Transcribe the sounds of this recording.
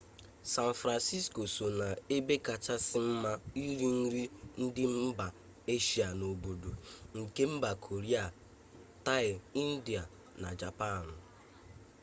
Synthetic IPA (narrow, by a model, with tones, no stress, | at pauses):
sa˦n̩fɾa˨nsi˦sko˨so˨na˨e˦be˦ka˨t͡ʃa˦sɪ˦m̩˦ma˦i˦ɾi˦n̩˦ɾi˦n̩˦dɪ˦m̩˦ba˨ | e˦ʃi˨a˨no˨bo˨do˨ŋ̩˨ke˦m̩˦ba˨kʰo˨ɾi˦a˨ | ta˦ɪ˨i˦n̩˦di˨a˨ | na˨d͡ʒa˨pa˦˨n̩˨